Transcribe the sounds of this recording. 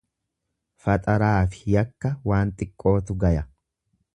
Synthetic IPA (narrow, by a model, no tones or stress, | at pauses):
fɐt̪ʼɐɾaːfɪ̥jɐkːɐwaːnt̪ʼɪkʼːo̞ːt̪ʊɡɐjɐ